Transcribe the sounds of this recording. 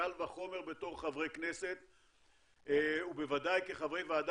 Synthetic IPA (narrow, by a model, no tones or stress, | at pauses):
alvaχo̞me̞ʁbe̞t̪o̞χχavʁejkneset̪ | ube̞vad̪ajkeχavʁejvead̪